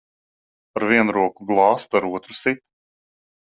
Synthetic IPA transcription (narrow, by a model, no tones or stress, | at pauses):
aɾviɛnɾuɔkuɡlˠɑːst̪aɾuɔt̪ɾusit̪